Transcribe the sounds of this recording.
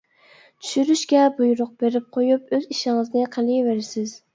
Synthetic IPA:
t̪ʰy̥ʃyɾyʃkʲɛbujɾʊq̚beɾɪp̚qʰojupøziʃɪŋɨznɪqʰəlˠiveɾɪsɪz

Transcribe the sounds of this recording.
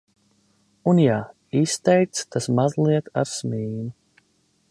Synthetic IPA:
unjaː | ist̪ɛjk̚t̪st̪asmazlˠiɛt̪a̰ɾsmiːnu

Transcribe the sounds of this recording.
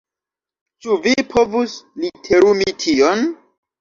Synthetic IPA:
t͡ʃuvipʰo̞vuslitʰe̞ɾumitʰion

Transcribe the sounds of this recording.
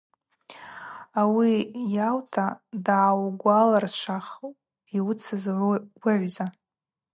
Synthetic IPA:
awijawtʰadaʕːwɡʷalarʃʷaχ | iwʊt͡sʰɨzwaʕʷza

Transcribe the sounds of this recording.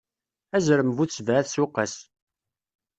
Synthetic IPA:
æzɾəmvut͡sːvæθsuqːæs

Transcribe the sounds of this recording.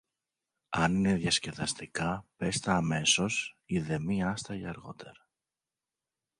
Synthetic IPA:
ɐnine̞ðjɐsce̞ðɐst̪ikɐpe̞st̪ɐːme̞so̞siðe̞miɐst̪ɐiɐɾɣo̞̰t̪ʰe̞ɾɐ

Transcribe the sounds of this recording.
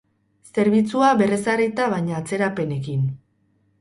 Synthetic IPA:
se̞ɾβit͡suaβe̞re̞sarit̪aβ̞ajɲaːt͡se̞ɾape̞ne̞kin

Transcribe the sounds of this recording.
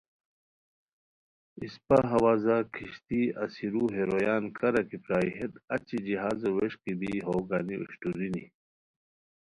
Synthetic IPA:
ispaɦɐwaːzakʰiɕt̪iɐsiɾuɦeɾojaːnkʰɐɾɐkipɾaːiɦet̪ɐt͡ɕid͡ʑiɦaːzɐweɕkib̪iɦoːɡaːniṵɕʈuɾini

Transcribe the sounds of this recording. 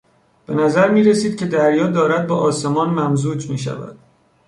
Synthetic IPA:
b̥e̞næzæɾmiːɾesiːd̪̚cʰʲe̞d̪æɾjɒːd̪ɒːɾæd̪̚bɒːʔɒːse̞mɒːnmæmzuːd͡ʒmiːʃ̬æ̰væ̰d̪̥

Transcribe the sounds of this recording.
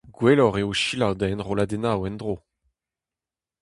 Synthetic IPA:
ɡwelɔʁeoʃilawd̪ɛnʁolad̪enawɛnd̪ʁo

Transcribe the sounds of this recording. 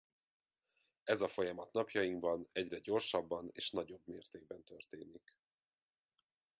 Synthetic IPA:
ɛzɒfo̞jɒmɒt̪nɒpjɒjiŋɡbɒnɛɟrɛɟo̞rʃɒbːɒnḛːʃnɒɟo̞bmeːrt̪eːɡ̚bɛnt̪ø̞rt̪eːnik

